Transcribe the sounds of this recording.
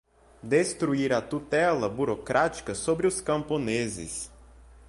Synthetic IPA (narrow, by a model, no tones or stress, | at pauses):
d̪est̪ɾuiɾɐt̪ut̪ɛlɐbuɾokɾʔat͡ʃi̥kɐsobɾɪʊskɐ̃mpõnezɪ̰s